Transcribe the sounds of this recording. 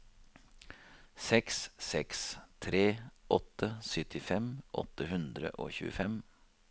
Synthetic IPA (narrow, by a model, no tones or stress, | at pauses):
sɛkssɛkst̪ʰɾeːʔɔt̪əsœt̪ɪfɛmʔɔ̰t̪ːəhʉnd̪ɾə̰ʔo̰ːçʉ̰ːəfɛm